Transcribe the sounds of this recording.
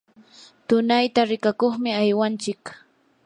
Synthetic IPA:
t̪ʊnajt̪aɾɪkakoχmɪajwant͡ʃɪk

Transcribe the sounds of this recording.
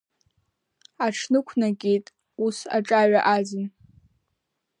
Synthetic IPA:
aʈ͡ʂʰnɨkʷʰnaɡʲʼejtʼ | usa̰ʈ͡ʂʼaɥaʔad͡zɨn

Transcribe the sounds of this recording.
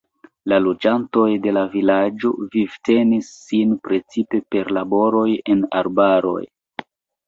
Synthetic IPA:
lalod͡ʒanto̞jde̞lavilad͡ʒo̞̰vivte̞nisːinpɾe̞t͡sipe̞pe̞ɾlabo̞ɾo̞je̞na̰ɾbaɾo̞̰j

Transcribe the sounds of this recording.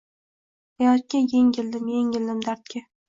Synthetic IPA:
aat̪̚kʲajeŋɡʲɪld̪ɪmjeŋʲɪld̪ɪmd̪aɾt̪̚kʲa

